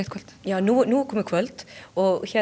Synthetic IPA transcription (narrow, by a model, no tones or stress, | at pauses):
t̪kʰɔlt̪jɑːnuːnuːkʰɔmːəkʰʋœlt̪ɔçɛ